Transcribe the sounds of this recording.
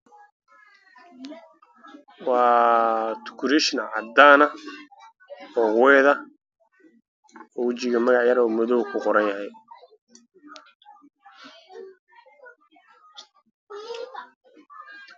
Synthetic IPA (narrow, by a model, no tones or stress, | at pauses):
wɑː | t̪ʰʊ̥kʰʊɾɪʃnɐʕɑd̪aːnɐ | ɔːwɛːðɐ | ɔːwɪt͡ʃɪɣɐmɐɣɑʕjɐɾɔːmɔðɔwkʰʊqɔɾɐnjɐhɛj